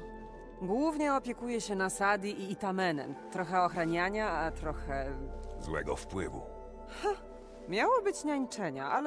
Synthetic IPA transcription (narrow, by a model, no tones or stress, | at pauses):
ɡwuvɲɛɔpʲjɛkujɛɕɛnasad̪ʲjiʔiːt̪amɛnɛ̰mt̪ɾɔxɛɔxɾaɲaɲaat̪ɾɔxɛzwɛ̰ɡɔ̰fpwɘvṵ | xa | mʲjawɔbɘt͡ɕɲaɲt͡ʂɛɲaal